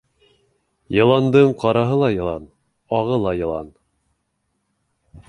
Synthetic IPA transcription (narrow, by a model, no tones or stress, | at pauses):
jɤ̆lˠɑnd̪ɤɴqɑɾɑɦɤlˠɑjɤ̆lˠɑ̰n | ɑʁɤlˠɑjɤ̆lˠɑ̰n